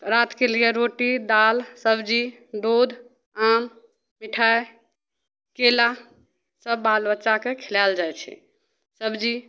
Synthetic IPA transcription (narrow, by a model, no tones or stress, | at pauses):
ɾat̪kelijeɾoʈid̪alsəbd͡ʒi | d̪od̪ʱ | am | miʈʰae | kela | səbːalbətːʃakekʰelald͡ʒajt͡ʃʰɛ̰ | səbʱd͡ʒi